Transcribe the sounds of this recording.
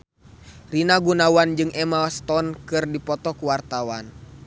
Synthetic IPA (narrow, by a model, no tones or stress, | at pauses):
rinaɡunawand͡ʒɨŋʔɛmalst̪ɔnkɨrdipɔt̪ɔkuwart̪awan